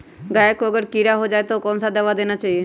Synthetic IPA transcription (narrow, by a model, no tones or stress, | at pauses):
ɡaːjəkoəɡəɾkiːɾaɦod͡ʒaːet̪okɔːnsad̪əʋad̪eːnat͡ʃaːie